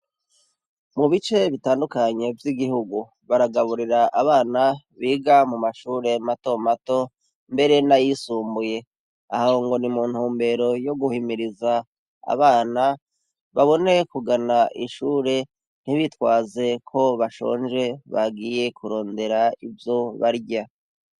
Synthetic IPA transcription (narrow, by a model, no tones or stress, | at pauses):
muβit͡ʃe̞βitaːndukaɲe̞vjiɡihuɡu | βaɾaɡaβuɾiɾaʔaβaːna | βiːɡamumaʃuːɾe̞mato̞mato̞ | mbe̞ɾe̞najisuːmbuje̞ | a̰hahoŋɡo̞nimuːn̥huːmbe̞ɾo̞jo̞ɡuhimiɾiza | a̰βaːna | βaβo̞ne̞kuɡanaʔiʃuːɾe̞ | n̥iβitwaːze̞kʰo̞βaʃo̞̰ːɲʒe̞βa̰ɡije̞kuɾo̞ːnde̞ɾaivjo̞βaɾɟa